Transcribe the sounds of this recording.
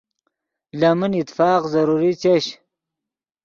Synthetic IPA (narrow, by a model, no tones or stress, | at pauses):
lamənit̪faːqzɐɾuɾit͡ɕeɕ